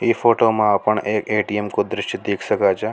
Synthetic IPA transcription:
ifoʈomãapəɳekeʈiemkod̪ɾɪʃʈd̪ekʰʃəkat͡ʃʰe

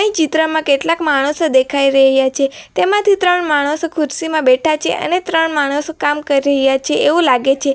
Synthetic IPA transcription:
ɽ̃ĩt͡ʃit̪ɾəmãkeʈlakmaɽ̃əsod̪ekʰaiɾəɦjat͡ʃʰet̪emãt̪ʰit̪ɾəɳmaɽ̃osokʰʊɾsimãbɛʈʰat͡ʃʰeʔə̰net̪ɾəɳmaɽ̃osokamkəɾiɾəɦjat͡ʃʰeeʋũlaɡet͡ʃʰe

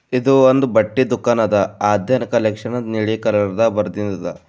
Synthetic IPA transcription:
id̪uond̪ubɐʈːid̪ukaːnɐd̪ɐaːd̪jɐnɐkɐlekʂɐnɐniɭikɐlɐɾɐd̪ɐbɐɾd̪ind̪ɐd̪ɐ

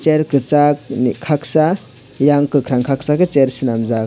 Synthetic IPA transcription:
t͡ʃeɾkɯt͡ʃak̚nikʰak̚sa | jaŋkɯkʰɾaŋkʰak̚sakɯt͡ʃeɾsɯnamza

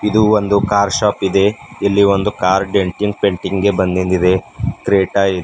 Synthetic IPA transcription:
id̪uond̪ukaːɾʃaːpid̪e̞ilːiʋond̪ukaːɾɖeɳʈiŋɡ̚peɳʈiŋɡɡe̞bɐnd̪ind̪id̪e̞kɾeːʈaːid̪

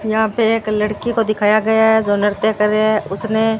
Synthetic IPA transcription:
jɐɦãpeeːklɐɽkikod̪ɪkʰaːjaɡɐjaɦɛd͡ʒoːnəɾt̪ekɐɾeɛʊsne

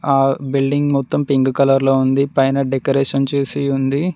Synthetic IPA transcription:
aːbilɖiŋɡmɔt̪ːɐmpiŋɡukɐlɐɾloːund̪ipɐjnɐɖekɐɾeːʂɐnt͡ʃeːsiund̪i

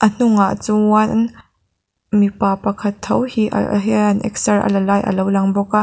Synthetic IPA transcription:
ʔən̥ʊŋaʔt͡suann | mipaːpɐkʰɐt̪ʰːowhiʔɦɛɐnʔɛ̰ksɐrʔə̰lɐlaːjʔə̰lowlɐŋbɔkaʔ

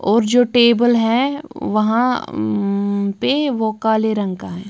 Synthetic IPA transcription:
ɔːɾd͡ʒoːʈeːbəlɦɛʋɐɦã | peʋokaːleɾɐ̃ŋkaɦɛ̃ː

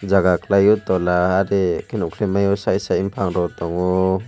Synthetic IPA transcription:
d͡ʒaɡaklajut̪ɔlaːɾekenukʰlimajɔsajsaimpʰaŋɾɔt̪ɔŋɔ

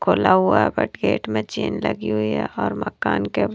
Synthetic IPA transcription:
kʰoːlaɦʊaɛbɐʈɡeːʈmẽt͡ʃeːnləɡiɦʊiɦɛɔːɾmɐkaːnke

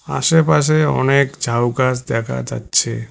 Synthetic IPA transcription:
a̰ʃepaʃ̬eɔ̰nekd͡ʑʱawkasd̪ɛkʰa̰d͡ʑa̰tːɕʰe

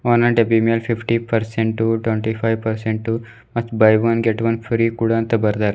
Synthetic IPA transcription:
ɔːnaɖebiːmelfɪfʈipɐɾsẽɳʈʈːuʈwẽɳʈifʰajʋpɐɾsẽɳʈʈːu | mɐt͡ʃbajʋɐnɡeʈʋɐ̃nfɾiːkuɽãːnt̪ɐbɐɾd̪aɾ

